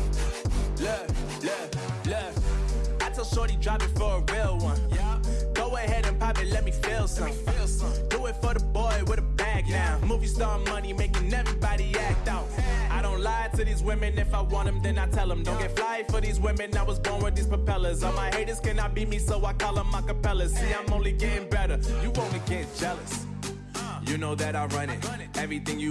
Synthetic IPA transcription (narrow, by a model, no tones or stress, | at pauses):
l | llə | aɪtʰɛlˠʃɔɹɾidɹaɪbɨ̃tfə˞əɹɪlˠwʌ̃njɡ̥oʊəhɛɾɨ̃npʰaɪpɨtlɛt̚mifilˠsmflˠs | d̥oʊɪtfə˞ðəbɔɪwɨðəbæɡ̚namuvjɨstʌə̃nmʌnimeɪkɪ̃ŋɛvɹibɑɾiæk̚taʊt̚aɪɾõʊ̃ntˡlaɪtʰɨðizwɪ̃mɨ̃nɨfaɪwɑ̃ntɨ̃mðɨ̃naɪtʰɛlˠə̃m̩dõʊ̃nɡɛtflaɪfə˞ðizwɪ̃mɨ̃naɪwʌzbɔɹnwɨðiz̥pəpɛlˠə˞zəmaɪheɪɾɨz̥kɨ̃nɑt̚b̥imisoʊaɪkʰɑlˠə̃maɪkəpɛlˠə̥˞siãɪ̃mõʊ̃nliɡɛɾɪ̃ŋbɛɾə˞jɨwõʊ̃ntɨɡɛ̃nd̥d͡ʒ̥ɛlˠəs | jɨnoʊðɨɾaɪɹʌ̃nɪ̃ŋ | ɛvɹiθɪ̃ŋjɨ